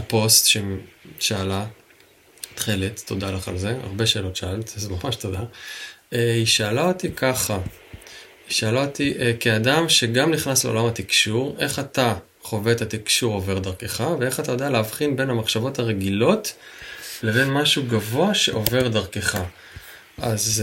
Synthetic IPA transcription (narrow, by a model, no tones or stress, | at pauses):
apo̞stʃemʃaːla | t̪χeletːo̞dalaχa̰lze̞a̰ʁbe̞ʃe̞ːlo̞tʃaalt̪zemamaʃto̞d̪a | eiʃaːlao̞tikʰaχa | iʃaːlaot̪iʔkeadamʃe̞ɡamniχnasleo̰lamat̪ikʃuʁe̞χat̪a | χo̞ve̞tat̪ikʃuʁo̞ve̞ʁd̪aʁke̞χavee̞χat̪ajodealeavχinbe̞nhamaχʃavo̞taʁeɡilo̞t | le̞ve̞nmaʃuɡavo̞aʃe̞̰ʔo̞ve̞ʁd̪aʁkeχa | ʔaz